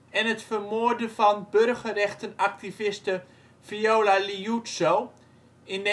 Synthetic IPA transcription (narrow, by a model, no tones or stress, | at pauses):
ɛnətfərmoəɹdəfɔnbørɣərɛxtənak̚tivɪstə | fioːlaliutsow | ɪn